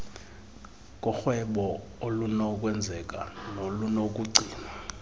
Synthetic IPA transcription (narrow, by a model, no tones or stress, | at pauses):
k̬ʼɔxwɛɓɔ | olunɔk̬ʼwɛnd͡zʱɛk̬ʼanolunok̬ʼuɡ͡ǀʱiːna